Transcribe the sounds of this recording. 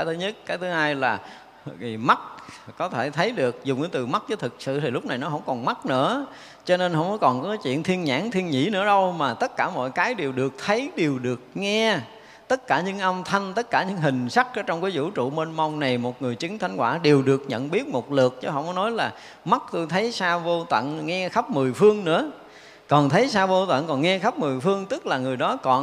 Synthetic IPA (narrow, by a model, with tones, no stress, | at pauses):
a˨˦jt̪ʰɨ˨˦ɲə˦˥t̚kaː˨˦jt̪ʰɨ˨˦haː˧jlaː˨˩ | vi˨˩ma˦˥t̚kɔ˨˦t̪ʰe˧˩t̪ʰə˨˦jɗɨ˨˩ək̚zʊ˨˩ŋ͡mkːt̪ɨ˨˩ma˦˥k̚zəː˨˦jt̪ʰɨ˨˩k̚sɨ̰˧˨t̪ʰi˨˩lʊ˦˥k͡p̚na˨˩jnɔ˨˦ɦə˧˥wŋ͡mkɔ˨˩nma˦˥t̚nɨ̰˧˥ə | t͡ɕɔ˧ne˧nhə̰˧wmɔ˨˦jkɔ˨˩nkɔ˨˦kɔ˨˦jt͡ɕwḭ˧˨ənt̪ʰi˧ənɲa̰ː˧˥ŋt̪ʰi˧nɲḭ˧˩˥nɨ̰˧˥əɗə˧wmaː˨˩t̪ə˦˥t̚kaː˧˩mɔ̰˧˨jkaː˨˦jɗe˨˩wɗɨ˨˩ək̚t̪ʰə˨˦jɗe˨˩wɗɨ˨˩ək̚ŋɛ˧ | t̪ə˦˥t̚kaː˧˩ɲɨ̰˧˥ŋʔə˧wŋ͡mt̪ʰə˧jŋ̟t̪ə˦˥t̚kaː˧˩ɲɨ̰˧˥ŋɦï˨˩ŋ̟sa˦˥k̚ʔəː˨˧˦t͡ɕɔ˧wŋ͡mkaː˨˦jzṵ˧˥t͡ɕṵ˧˨me˧nma˧wŋ͡mna˨˩jmo˨˩t̚ŋɨ˨˩əjt͡ɕï˨˦ŋt̪ʰa˨˦jŋ̟kwaː˧˩ɗe˨˩wɗɨ˨˩ək̚ɲə̰˧˨nɓi˦˥ət̚mo˨˩t̚lɨ˨˩ək̚t͡ɕɔ˧˦ɦɔ̰˧˨wŋ͡mɔ˨˦nɔ˨˦jlaː˨˩ | ma˦˥t̚t̪o˧jt̪ʰə˨˦jsaː˧vo˧t̪wə̰˧˨nŋɛ˧xa˦˥p̚mɨ˨˩əjfɨ˧əŋnɨ̰˧˥ə | kɔ˨˩nt̪ʰə˨˦jsaː˧vo˧t̪wə̰˧˨nkɔ˨˩nŋɛ˧xa˦˥p̚mɨ˨˩əjfɨ˧əŋt̪ɨ˦˥k̚laː˨˩ŋɨ˨˩əjɗɔ˨˦kɔ˨˩